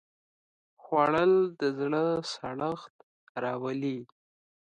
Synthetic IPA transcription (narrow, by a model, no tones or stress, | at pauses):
xwɑɽəld̪əzɽəsaɽəxt̪̚ | ɾɑwali